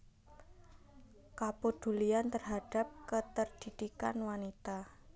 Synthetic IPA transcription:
kapod̪̥ṳliant̪ərɦad̥a̤p̚kət̪ərd̥i̤d̪̥ika̰nwanit̪a

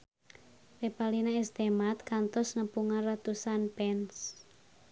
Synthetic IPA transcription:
repalinaest̪emat̪̚kant̪ɔsnəpuŋanrat̪usanpɛns

